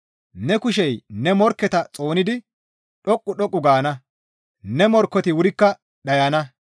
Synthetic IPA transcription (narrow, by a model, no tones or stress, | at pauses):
nɛkʊʃɛjnɛmɔɾkːɛt̪ɐt͡sʼoːnɪd̪ɪ | ɗɔkʼːʊɗɔkʼːʊɡaːnɐ | nɛmɔɾkːɔt̪ɪwʊɾɪkːɐ | ɗɐjɐnɐ